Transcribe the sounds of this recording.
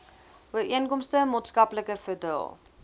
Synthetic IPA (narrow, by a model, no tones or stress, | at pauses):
uəɾiənkɔmstəmɑːtskɐpləkəfədɛ̰lˠ